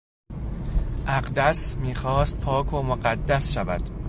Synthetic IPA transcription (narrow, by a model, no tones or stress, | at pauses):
ʔæɢd̪æsmiːxɒːst̪̚pʰɒːkʰomoɢæd̪ːæsʃævæd̪̥